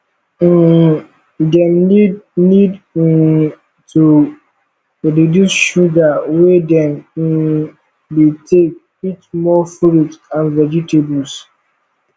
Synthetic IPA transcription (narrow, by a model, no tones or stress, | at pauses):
dɛmdnid̩ | tu | ɹidjusʃuɡawedɛ̃m̩ | detʰek̚ | itmɔfuɾutãnvɛd͡ʒitebuls